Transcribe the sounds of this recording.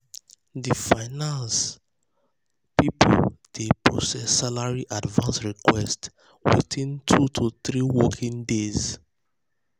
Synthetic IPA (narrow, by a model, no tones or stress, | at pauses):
difaɪnãns | pipʰo̰ld̥epɹɔ̰sɛsːalaɹiʔadvãnsɹikʰwɛst | wḭtʰĩntʰutʰuθɹiwɔkʰĩŋdez